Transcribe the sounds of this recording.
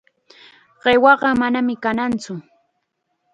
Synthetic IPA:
ɢ̥ewɑɢɑmanamɪkanant͡sʊ

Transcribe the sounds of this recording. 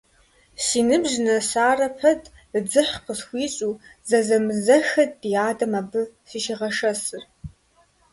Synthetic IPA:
siːnɨbʒnɐsaːrɐpʰɐdʼ | d͡zɨħqʰəsxʷiːɕʼuːzɐzɐmɨzɐxɐd̚bijaːdɐmaːbɨsiʃiʁɐʂɐsɨr

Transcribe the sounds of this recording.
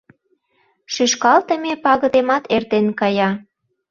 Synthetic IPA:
ʃyʃkɑlt̪ə̆mepɑɣə̆d̪emɑt̪ert̪enkɑjɑ

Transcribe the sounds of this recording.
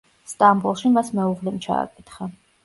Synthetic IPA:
st̪ʼambulˠʃimasmɛuʁlɛmt͡ʃʰa̰ːkʼɛt̪ʰχa

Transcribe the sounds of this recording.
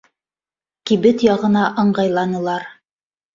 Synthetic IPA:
kiβɘt̪jɑʁɤ̆nɑʔɤ̆ɴɢɑjlˠɑnɤ̆lˠɑɾ

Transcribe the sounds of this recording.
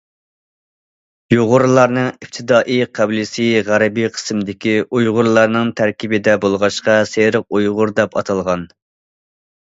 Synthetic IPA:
juʁʊɾlˠɑɾnɨŋip̚t̪ʰɪd̪ɑːʔiqʰæblɪsɨʁæɾɛbijqʰə̥smd̪ɪkʲiujʁʊɾlˠɑɾnɨŋt̪ʰæɾkʲibɪd̪ɛbolˠʁɑʃqɑseɾəq̚ujʁʊɾd̪ɛpɑt̪ʰɑlˠʁɑn

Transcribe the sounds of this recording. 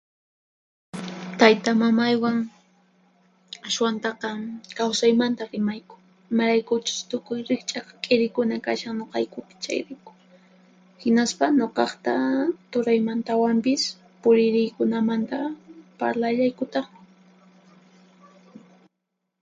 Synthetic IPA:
t̪ajt̪amamajwaŋ | aswant̪ɑqɑkawsajmant̪aɾɪmajkʊ̥ | ɪmaɾajkʊt͡ʃʊ̥st̪ʊkʊjɾɪχt͡ʃʼɑqɑkʼɪɾɪkʊnakaʃaŋɲoqɑjkʊpɪ̥t͡ʃa̰jɾajkʊ̥ | hɪnaspaɲoqɑχt̪at̪ʊɾajmant̪awampɪs | pʊɾɪɾɪjkʊnamant̪apaɾlaʎajkʊt̪ɑχɪ

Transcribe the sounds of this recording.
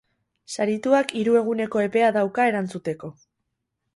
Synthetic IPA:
saɾit̪uakiɾue̞ɣ̞une̞ko̞e̞pe̞aðawkae̞ɾant͡sut̪e̞ko̞

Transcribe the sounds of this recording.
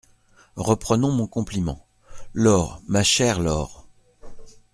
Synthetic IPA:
ʁəpχənɔ̃mɔ̃kɔ̃plimɑ̰̃ | lɔːʁmaʃɛʁlɔːʁ

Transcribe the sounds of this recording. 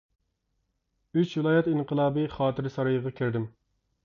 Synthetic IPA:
yt͡ʃvɪlˠɑːjɛt̪iŋqəlˠɑːbɨχɑːt̪ʰɨɾsɑɾɨjəʁɑkʲʰɪɾd̪ɪm

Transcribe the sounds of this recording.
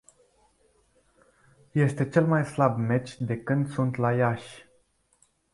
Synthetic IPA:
je̞st̪e̞t͡ʃe̞lmajslabme̞t͡ʃʲd̪e̞kɨnd̪sunt̪lajaʃʲ

